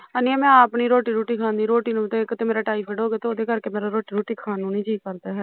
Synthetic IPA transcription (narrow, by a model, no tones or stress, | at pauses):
aniɛːmɛ̃ːaːpniːɾoːʈiːɾoːʈiːkʰãːnd̪iːɾoːʈiːnũt̪ekt̪eːmeːɾaːʈaːipʰəɖɦoːɡeːt̪eod̪eːkəɾkeːmeːɾaɾoːʈiːɾoːʈiːkʰaːnũːnĩːd͡ʒiːkəɾd̪aːɦɛː